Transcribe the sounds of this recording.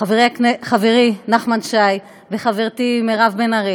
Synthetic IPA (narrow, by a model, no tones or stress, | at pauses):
aveʁiakneχaveʁinaχmanʃaj | veχaveʁt̪imeʁavbenaʁi